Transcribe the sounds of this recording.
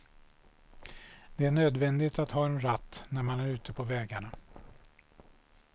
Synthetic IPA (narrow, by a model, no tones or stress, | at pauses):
d̪ɛæɳøːd̪vɛnd̪ɪt̪at̪hɑːɛnɾat̪ːnæɾmanæɾʉ̟ːt̪ʰəpʰɔvɛːɡaɳa